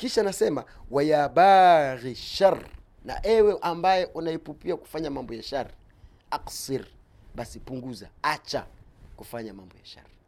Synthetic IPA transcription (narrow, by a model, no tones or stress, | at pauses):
kiʃanasɛma̰waiaɓaɣiʃar | na̰ʔɛwɛʔambajɛʔunaipupiaku̥faɲamambɔjaʃaɾi | aqsiɾ | ɓasipuŋɡuzaat͡ʃa̰kufaɲamambɔjaʃa̰ɾi